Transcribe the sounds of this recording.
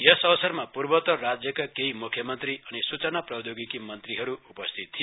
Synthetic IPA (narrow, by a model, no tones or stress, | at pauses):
jesʌwsʌrmapurbʌt̪ʌrad͡zjʌkakeimukʰjʌmʌnt̪riʌnisut͡sʌnaprʌd̪joɡikimʌnt̪riɦʌɾuupʌst̪ʰit̪ʰːi